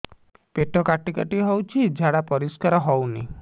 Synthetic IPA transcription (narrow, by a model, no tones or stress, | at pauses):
peʈɔkaʈikaʈiɦɔwt͡ʃʰid͡ʒʱaɽapɔɾiskaɾɔɦɔwnḭ